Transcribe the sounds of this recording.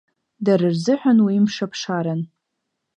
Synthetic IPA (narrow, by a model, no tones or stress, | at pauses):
daɾɨrzɨħʷᶣanwiːmʂapʰʂaɾan